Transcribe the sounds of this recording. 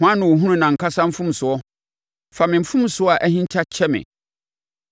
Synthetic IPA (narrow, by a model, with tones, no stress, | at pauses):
hʊ̃˨˦ã˦nʊ̃˨wo˨ɦũ˦nũ˦nã˨ŋ̩˨kʰa˦sã˦m̩˦fũ˦m˨sʊ˨ɔ˦ | fa˨mɪ̃˨m̩˨fũ˦m˦sʊ˦ɔ˦a˨ʔæ˦hĩ˦ɲ̩˦t͡ɕʰa˦t͡ɕʰɛ˦mɪ̰̃˨